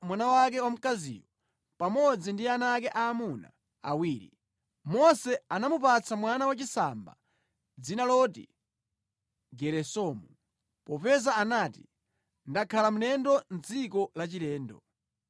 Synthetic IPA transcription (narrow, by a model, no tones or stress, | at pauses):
mwanawak̬ɛwam̩kazḭwɔ | pamɔd͡zindianak̬ɛʔaːmuna̰ | a̰wiːɾḭ | mɔsɛanamupat͡sʰamwanawat͡ʃisa̰mba̰ | d͡zinalɔtḭ | ɡɛɾɛsɔmu | pɔpɛzaːnaːti | ndakʰalam̩nɛndɔnd͡zikɔlat͡ʃilɛːndɔ̰